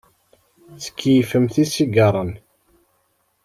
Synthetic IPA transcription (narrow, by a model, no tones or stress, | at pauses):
t͡sːə̥kʰːijfəmθisiɡəɾˤən